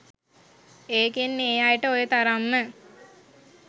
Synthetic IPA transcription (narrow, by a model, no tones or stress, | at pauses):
eːkenːeːjajəʈəojət̪aɾamːə